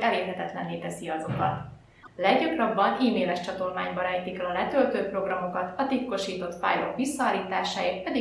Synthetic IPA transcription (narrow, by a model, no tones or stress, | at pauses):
ɛleːrɦɛt̪ɛt̪lɛ̰nleːt̪ɛsiɒzo̞kɒ̰t̪ | lɛɡɟɒkrɒbːɒniːmeːlɛʃt͡ʃɒt̪o̞lmaːɲbɒɾɛjt̪ikɛlɒlɛt̪ø̞lt̪øːpro̞ɡrɒmo̞kɒt̪ɒt̪it̪ko̞ʃiːt̪o̞t̪pa̰ːjlo̞kʋisːɒːliːt̪aːʃaːit̪pɛd̪i